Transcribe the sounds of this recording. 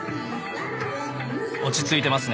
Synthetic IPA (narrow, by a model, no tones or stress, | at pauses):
o̞t͡ɕit͡sɨit̪e̞masɨn